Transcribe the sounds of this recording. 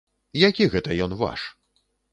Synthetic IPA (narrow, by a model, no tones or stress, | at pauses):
jakʲiɣɛt̪ɐjɔnva̰ʂ